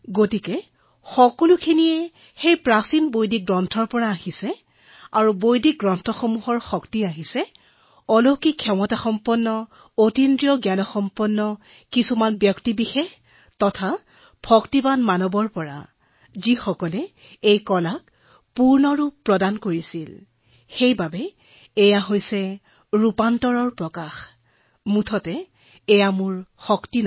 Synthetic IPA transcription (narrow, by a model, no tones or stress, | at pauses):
ɡotikɛ | xɔkɔlukʰinijɛ | xejpɹasinbojdik̚ɡɹɔntʰɔɹpɔɹaːhisɛ | aɹubojdik̚ɡɹɔntʰɔxomuɦɔɹxɔktiaɦisɛ | ɔlokikʰːɔmɔtaxɔmpɔnːɔ | otindɹiɔɡjanɔxɔmpɔnːɔ | kisumanbjɔktibixex | tɔtʰa | pʰɔktibanmanɔbɔɹpɔɹa̰ | zixɔkɔlɛ | ejkɔlak̚ | puɹnɔɹupːɹɔdankoɹisil | xejbabɛː | jaɦojsɛ | ɹupantɔɹɔɹpɹɔkax | mutʰɔtɛː | jamuɹxɔktin